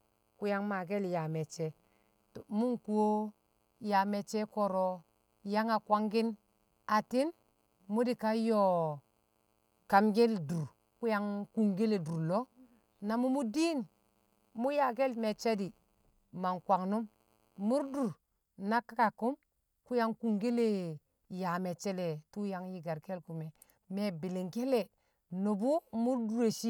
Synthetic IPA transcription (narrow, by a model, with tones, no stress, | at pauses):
ku˦ja˦ŋma˨ɡe˦lja˨me˨t͡ʃe˦ | to˨mu˦ŋku˨wo˦ | ja˨me˨t͡ʃe˦ko˨ɾo˦ | ja˦ŋa˨kwa˦ŋɡi˦n | a˨ti˦n | mu˦di˨ka˦jo˨ | ka˨mɡe˦ldu˨ɾ | ku˦ja˦ŋku˨ŋɡe˦le˨du˨ɾlo˦ | na˨mu˦mu˦di˦n˨ | mu˦ja˨ɡ̬e˦lme˨t͡ʃa˦di˨ | ma˨nkwa˨ŋnu˦m | mu˦ɾdu˨ɾ | na˦ka˦ka˨ku˦m | ku˦ja˦ŋku˨ŋɡe˦le˦ | ja˨me˨t͡ʃe˦le˨tu˦ja˨ŋji˦ɡa˨ɾke˦lku˨me˨ | me˨bi˨li˨ŋke˦le˨ | no˨bu˦mu˦ɾdu˨ɾe˨ʃi˦